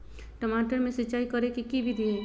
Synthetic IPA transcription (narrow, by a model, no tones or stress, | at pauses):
ʈəmaʈəɾmẽsiːt͡ʃaːikəɾekikibʱid̪ʱiɛ